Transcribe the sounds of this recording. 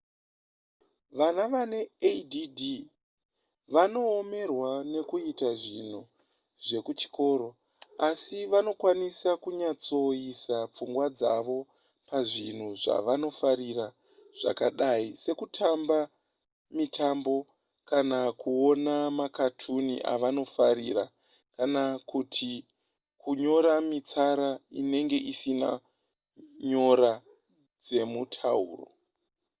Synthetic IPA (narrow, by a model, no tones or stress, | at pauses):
ʋanaʋane̞edidi | ʋano̞ːme̞rwane̞kuitaʐin̤u | ʐe̞kut͡ʃi̥ko̞ːɾo̞ | asiʋano̞kwanisakuɲat͡so̞isap͡fuŋɡwad͡zaʋo̞ | paʐin̤uʐa̰ʋano̞faɾira | ʐ̥a̰kaɗaise̞kutʰamba | mitʰambo̞ | kanakuo̞namakatʰunḭʔa̰ʋano̞faɾira | kanakutʰi | kuɲo̞ɾamit͡saɾaine̞ŋɡe̞ʔisina̰ | ɲo̞ɾa | d͡ze̞mutʰaṵːro̞̰